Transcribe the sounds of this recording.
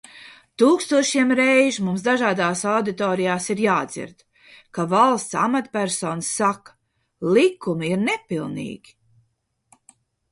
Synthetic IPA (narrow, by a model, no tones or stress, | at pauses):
t̪uːkst̪uɔʃiɛmɾɛjʒmumsd̪aʒaːd̪aːsawd̪it̪ɔːɾijaːsiɾjaːd̪zḭɾd̪ | kavalˠst̪sa̰mat̪pʲæɾsɔːnsːakɐ̥ | lˠikumiiɾnɛpilˠnḭːɡʲi̥